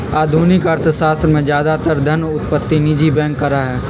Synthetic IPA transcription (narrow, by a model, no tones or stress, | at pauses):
aːd̪ʱuːnɪkɐɾt̪ʰsaːst̪ɾəmẽd͡ʒjaːd̪at̪əɾd̪ʱɐnʊt̪pət̪ːinid͡ʒibɛ̃ːŋkːɐɾaɦɛː